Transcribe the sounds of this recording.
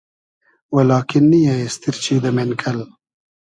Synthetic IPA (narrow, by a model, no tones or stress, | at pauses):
walɑːkɪnːijaest̪iɾt͡ʃʰid̪əmenkʰɐl